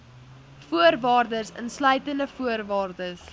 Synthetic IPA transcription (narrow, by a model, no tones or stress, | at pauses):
fuərvɑːrdəsə̰nslœɥtəndəfuərvɑːrdəs